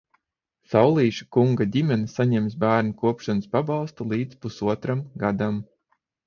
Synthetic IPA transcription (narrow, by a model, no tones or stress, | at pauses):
sawlˠiːʃḁkuŋɡadʲimʲɛnsaɲɛmsbæːɾnukuɔpʃanɨspabɑlˠst̪ulˠiːd̪spusuɔt̪ɾamɡad̪am